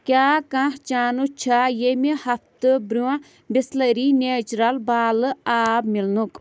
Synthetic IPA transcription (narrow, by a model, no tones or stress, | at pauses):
kʲaːkãht͡ʃaːnut͡ʃʰajemehɐft̪ɨbɾuã | bislɐɾineːt͡ʃɾɐlbaːlaːbmilnuk